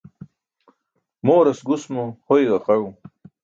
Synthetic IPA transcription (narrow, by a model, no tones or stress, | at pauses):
moːɾɐsɡusmohojɡɐqɐɻu